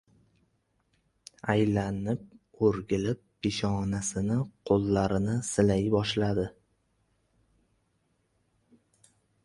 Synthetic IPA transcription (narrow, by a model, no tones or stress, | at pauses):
ajlanɪp̚ | oɾɡʲɪlɪp̚ːɪʃɒnasɪnɪqʰolˠːaɾɪnɪsɪlajbɒʃlad̪ɪ